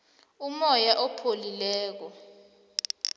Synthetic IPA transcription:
umɔjaʔɔpʰolilɛːk̬ɔ

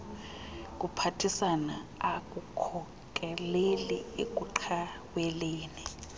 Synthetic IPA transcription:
k̬ʼupʰatʰisana̰ak̬ʼukʰɔ | k̬ʼɛlelɛ̰ḛk̬ʼuǃʰawwɛleːni

